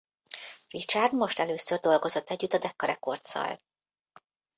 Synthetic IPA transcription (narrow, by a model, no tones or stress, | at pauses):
rit͡ʃard̪mo̞ʃt̪ɛløːsørd̪o̞lɡo̞zo̞t̪ːɛɟːyt̪ːɒd̪ɛkːɒɾɛko̞rt̪sɒ̰l